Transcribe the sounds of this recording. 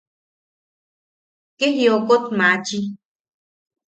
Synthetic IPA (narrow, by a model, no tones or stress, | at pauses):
keɦiokot̪mãt͡ʃi